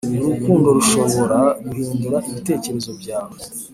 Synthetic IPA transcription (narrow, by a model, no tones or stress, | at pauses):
uɾukuːndo̞ɾuʃo̞βo̞ɾaɡuɦiːnduɾaʔiβite̞ːce̞ɾe̞zo̞bjaːwe